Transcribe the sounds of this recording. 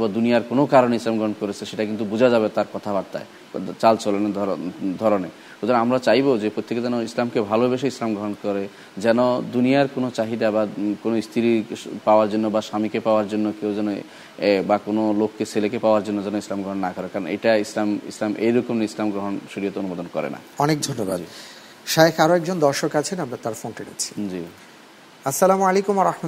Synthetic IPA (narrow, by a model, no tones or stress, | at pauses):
bɔd̪unijaɾkonokaɾoneislamɡɾɔɦɔnkoɾet͡ɕʰeʃeʈakint̪̬ubud͡ʑʱad͡ʑabet̪aɾkɔt̪ʰabaɾt̪a̰e | t͡ɕalt͡ʃolened̪ʱɔɾone | ot̪ʰɔɾnamɾat͡ɕajbod͡ʑepɾot̪ːeked͡ʑɛnoislamkebʱalobeʃeislamɡɾɔɦɔnkɔɾe | d͡ʑɛnod̪unijaɾkonot͡ɕaɦid̪abakonoist̪ʰiɾipaoaɾd͡ʑonːobaʃamikepaoaɾd͡ʑonːokewd͡ʑɛno | bakonolokːeselekepaoaɾd͡ʑonːod͡ʑɛnoislamɡɾoɦonːakɔɾekaɾon̰ḛʈaislamḭslamʔḛjɾɔkomneislamɡɾoɦonʃuɾijot̪eonumod̪onkɔɾḛna̰ɔnek̚d̪ʱonːoba̰d̪ | ʃaekaɾoɛkd͡ʑond̪ɔɾʃokat͡ɕʰenamɾat̪aɾfonʈeɽḛt͡ɕʰi̥d͡ʑi | ɐsːalamalekumwaɾahma